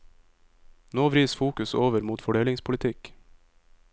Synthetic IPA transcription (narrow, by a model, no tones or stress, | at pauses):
noːʋɾiːsfuːkʉsoːʋəɾmuːt̪fɔɖeːlɪŋspʰʊlɪt̪ʰɪk